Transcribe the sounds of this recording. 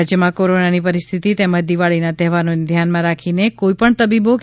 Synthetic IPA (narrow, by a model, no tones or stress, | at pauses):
d͡ʒjəmãkoɾonanipəɾist̪ʰit̪it̪eməd͡ʒd̪iʋaɭinat̪ɛɦʋanoned̪ʱjanmãɾakʰinekoipəɳt̪əbibok